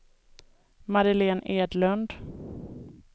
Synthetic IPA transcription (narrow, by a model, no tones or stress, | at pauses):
maɾɪleːneːd̪lɵnd̪